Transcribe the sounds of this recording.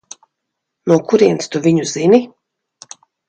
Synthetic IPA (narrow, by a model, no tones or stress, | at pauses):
nuɔkuɾiɛnst̪uvʲiɲuzini